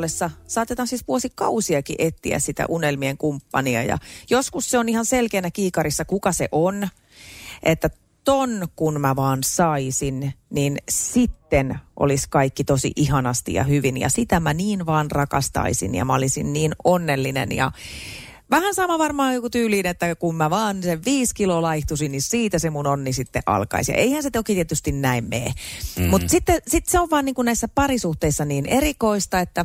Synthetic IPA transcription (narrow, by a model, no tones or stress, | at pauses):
lːesːɑsɑːt̪et̪ɑnsispuosikkɑusiɑkḭʔet̪ːḭæ̰ssit̪æ̰ʔunelmieŋkumpːɑniɑ̰jɑ̰joskusseonihɑnselkeːnækiːkɑɾisːɑkukɑsḛʔon | ʔet̪ːæ | t̪onkunmæʋɑːnsɑisinninsit̪ːenʔo̰liskɑikːit̪osḭʔiɦɑnɑst̪ḭjɑ̰hyʋinjɑ̰sit̪æmæniːnʋɑːnrɑkɑst̪ɑ̰isḭnjɑ̰mæolinsinniːnonːelːinḛnjɑ̰ | ʋæhænsɑmɑʋɑrmɑːjokut̪yːliːnet̪ːækummæʋɑːnseʋʋiːskilolɑiht̪usinnissiːt̪æsemunonːisit̪ːḛʔɑ̰lkɑ̰isjɑ̰ʔeihænset̪oket̪iet̪yst̪innæimmḛːmut̪sit̪ːesit̪seoʋʋɑːniːŋkunnæisːæpɑrisuht̪eisːɑniːnerikoist̪ɑet̪ːæ